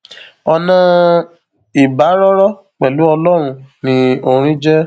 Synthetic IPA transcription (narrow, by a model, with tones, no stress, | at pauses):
ɔ˧nã˦ | i˨ba˨˦ɾɔ˦ɾɔ˦ | k͡pɛ˨lu˨˦ɔ˧lɔ˦ɾ̃ũ˧nĩ˧˦o˧ɾ̃ĩ˦d͡ʒɛ˦